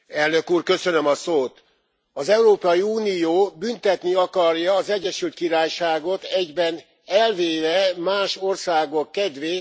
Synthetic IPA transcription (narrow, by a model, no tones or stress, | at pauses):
ɛlnø̞kuːrkø̞sønø̞mɒsoːt̪ | ɒzɛuɾoːpɒjiuːnijoːbynt̪ɛt̪niɒkɒrjɒːzɛɟːɛʃylt̪̚kiɾaːjʃaːɡo̞t̪ɛɟbɛn | ɛlveːvɛmaːʃo̞rsaːɡo̞kːɛd̪ʋeː